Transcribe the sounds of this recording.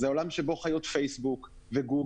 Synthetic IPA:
zeo̞lamʃebo̞χajo̞t̪fejsbuk | veɡu

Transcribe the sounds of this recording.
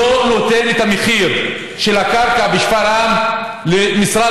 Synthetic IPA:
ono̞t̪e̞net̪ameχiʁ | ʃe̞lakaʁkabeʃfaɾam | lemisʁa

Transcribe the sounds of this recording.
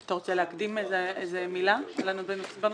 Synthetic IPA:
t̪oʁt͡ʃeleakd̪imezeezemilalanubenben

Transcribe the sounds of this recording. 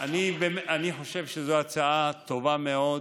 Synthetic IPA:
anibemaniħo̞ʃe̞vʃezoat͡saat̪o̞vameo̞

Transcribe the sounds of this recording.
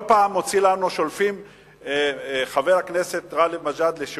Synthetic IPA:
paːmo̞t͡silanuʃo̞lfim | χavejaknese̞t̪ʁalemaʒad̪leʃ

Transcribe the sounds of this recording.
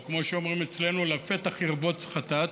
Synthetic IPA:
kmo̞ʃeo̞mʁimet͡sle̞nulafet̪aχiʁbot͡sχat̪at

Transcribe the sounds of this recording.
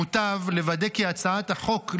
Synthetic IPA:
ut̪avle̞vad̪ekiat͡saat̪aχo̞k

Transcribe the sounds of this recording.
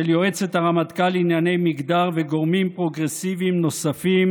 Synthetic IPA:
eljoet͡set̪aʁamat̪kalinjane̞jmiɡd̪aʁveɡo̞ʁmimpʁo̞ɡʁesivimno̞safim

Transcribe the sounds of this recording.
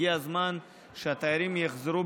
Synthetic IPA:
iazman | ʃat̪aɾimeχzɾu

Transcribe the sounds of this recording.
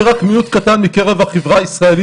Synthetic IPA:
ʁakmiut̪kat̪anmike̞ʁe̞vhaχevʁaisʁaeli

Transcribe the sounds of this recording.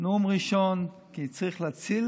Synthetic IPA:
numʁiʃon | kiit͡sʁiχlat͡sil

